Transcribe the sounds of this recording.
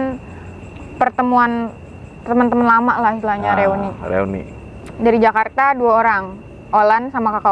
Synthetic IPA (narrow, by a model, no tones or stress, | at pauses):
n | pərt̪əmuan | t̪əmənt̪əmənlamaʔlahisilahɲaɾeuniɾḛunḭ | daɾid͡ʒakart̪aduaoɾaŋ | olansamakaka